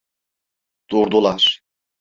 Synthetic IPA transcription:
d̪̥uɾd̪ulˠaɾ̥

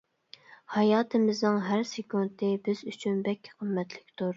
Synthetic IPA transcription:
hɑjɑːt̪ʰɨmɪznɨŋɦæɾsɪkunt̪ʰɪbɪz̥yt͡ʃʰynbɛkʲʰːɪ̥qʰəmːɛt̪ʰlɪkʲt̪ʰuɾ

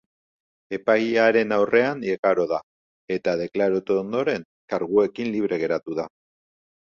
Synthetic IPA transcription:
e̞pajaɾe̞nawrʔe̞anekaɾo̞ða | e̞t̪að̞e̞klaɾot̪oond̪o̞ɾe̞ŋ | kaɾɣue̞kinliβ̞ɾe̞ɣ̞e̞ɾat̪uða

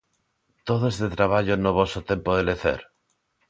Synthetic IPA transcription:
t̪oðoezðet̪ɾaβ̞aʎonoβosot̪e̞mpoðeleθḛɾ

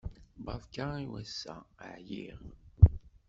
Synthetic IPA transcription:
bɑfkaiwæsːæ̰ʕjiʁ

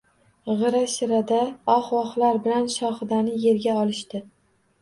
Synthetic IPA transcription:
ʁɨɾaʃɪɾad̪aɒχwɒχlaɾbɪlanʃɒχɨd̪anɪje̞ɾɡʲaɒlɪʃt̪ɪ

